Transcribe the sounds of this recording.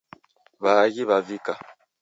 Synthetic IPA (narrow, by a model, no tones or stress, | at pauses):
βaɣiβavika